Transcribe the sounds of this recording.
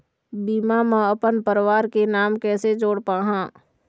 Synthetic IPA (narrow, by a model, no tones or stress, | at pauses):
biːmamə̃əpənpəɾwaːɾkenaːmkɛːsed͡ʒoːɽpaːɦãː